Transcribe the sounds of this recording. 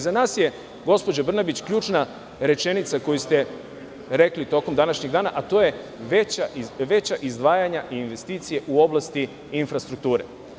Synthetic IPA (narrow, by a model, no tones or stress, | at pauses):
zanaːsje̞ | ɡo̞spo̞d͡ʑabr̩nabit͡ɕkʎuːt͡ʃna | ɾe̞t͡ʃe̞nit̪sako̞just̪e̞ | ɾe̞klit̪o̞komd̪anaʃɲeɡd̪aːnaʔat̪o̞ːje̞ | ʋet͡ɕaiʋe̞t͡ɕaʔizd̪ʋaːjaɲaʔiːnʋe̞st̪iːt̪sije̞ʔuo̞blˠast̪i | infɾast̪ɾuk̚t̪uːɾe̞̰